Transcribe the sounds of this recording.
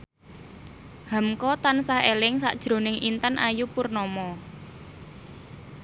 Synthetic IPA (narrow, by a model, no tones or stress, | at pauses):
hamkɔt̪ansahelɪŋsa̰ʔd̥ʒ̥ɾo̤nɪŋʔint̪anʔajupurnɔmɔ